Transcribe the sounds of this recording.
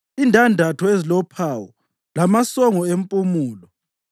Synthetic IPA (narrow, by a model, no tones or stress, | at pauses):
indʱʼandʱatʰɔezilɔpʰaːwɔ | lamasɔŋɔempʼumuːlɔ